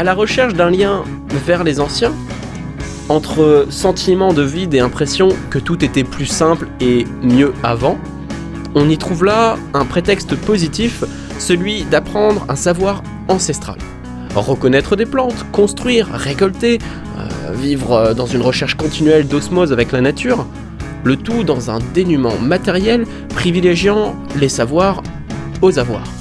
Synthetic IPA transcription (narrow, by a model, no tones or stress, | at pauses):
alaʁəʃɛʁʃd̪ɛ̃ljɛ̃ | vɛʁlezɑ̃sjɛ̃ | ɑ̃t̪χəsɑ̃t̪ʰimɑ̃d̪əvid̪eɛ̃pχesjɔ̃kət̪ut̪et̪ɛplysɛ̃ple | mjøavɑ̃ | ɔ̃nit̪χuvlaɛ̃pχet̪ɛkst̪pozit̪if | səlɥid̪apχɑ̃d̪ʁɛ̰̃savwaʁ | ɑ̃sɛst̪χa̰l | ʁəkɔnɛt̪χəd̪eplɑ̃t̪kɔ̃st̪χɥiːʁːekɔlt̪e | ø̰vivʁd̪ɑ̃zynʁəʃɛʁʃkɔ̃t̪inɥɛld̪ɔsmozavɛklanat̪yːʁ | lət̪ud̪ɑ̃zɛ̃d̪enymɑ̰̃mat̪ɛʁjɛl | pχivileʒjɑ̃ | lesavwaʁ | ozavwa̰ːʁ